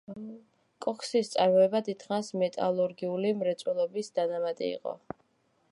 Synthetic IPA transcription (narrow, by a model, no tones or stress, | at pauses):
kʼɔkʰsist̪sʼaɾmɔɛbad̪it̪ʰχasmɛt̪ʼalˠuɾɡiulimɾɛt̪sʼwɛlˠɔbisd̪̥anamat̪ʼḭḭqʼɔ̰